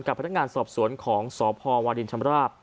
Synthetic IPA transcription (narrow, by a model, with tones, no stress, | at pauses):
mka˨˩pʰa˧˥nː˦˥ŋaː˧nsɔː˨˩p̚su˩˦ənkʰɔː˩˦ŋsɔː˩˦pʰɔː˧waː˧di˧nt͡ɕʰa˧mɾaː˥˩p̚